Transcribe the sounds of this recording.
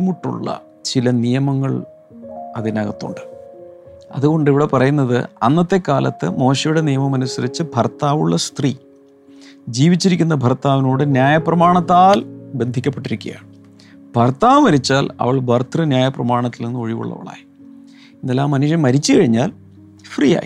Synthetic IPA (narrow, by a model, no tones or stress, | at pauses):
muʈːṵɭːɐ̰ | t͡ɕilɐnijɐmɐŋːɐɭ | ɐðinɐɣɐt̪ːṵɳɖɨ̥ | ɐ̰ðuɣo̞ɳɖiʋiɽe̞pɐrɐjunːɐðɨ̰ɐnːɐt̪ːe̞kaːlɐt̪ːɨ̰mo̞ːɕɐjuɽe̞nijɐmɐmɐnusɐɾit͡ɕːɨbʱɐrt̪ːaːʋuɭːɐst̪riː | d͡ʑiːʋit͡ɕːiɾikʲːunːɐbʱɐrt̪ːaːʋinoːɽɨnjaːjɐprɐmaːɳɐt̪ːaːlbe̞nd̪ʱikʲːɐpːeʈːiɾikʲːṵja̰ːɳɨ | bʱɐrt̪ːaːʋmɐɾit͡ɕːaːlɐ̰ʋɐɭbʱɐrt̪ʰrɨnjaːjɐprɐmaːɳɐt̪ːilnenːɨoɻiʋṵɭːɐ̰ʋɐ̰ɭa̰ːji | enːelːaːmːɐnuʂjɐmmːɐɾit͡ɕːɨkɐɻiɲːaːl | frija̰ːjḭ